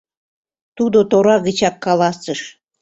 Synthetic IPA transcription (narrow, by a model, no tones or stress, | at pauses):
t̪ud̪ot̪oɾɑɣə̆t͡ɕɑkːɑlɑsəʃ